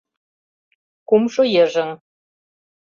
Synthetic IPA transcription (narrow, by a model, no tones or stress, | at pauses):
kumʃojĕʒɘ̆ŋ